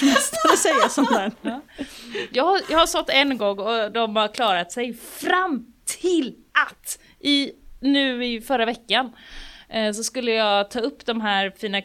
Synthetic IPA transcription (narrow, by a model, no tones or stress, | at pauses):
ɛst̪aɾɔsɛjːasɔmd̪ɛn | jɑːɦaɾjɑːhasɔt̪ːɛnɡɔŋːɔd̪ɔmhaɾkʰlɑːɾat̪sɛjfɾamt̪ʰɪlʔat̪ː | ʔɪnʉ̟ːɪfœɾavɛkːan | s̬ɔskɵlːəjɑːɡt̪ʰɑːɵpːd̪ɔmɦæːɾfiːna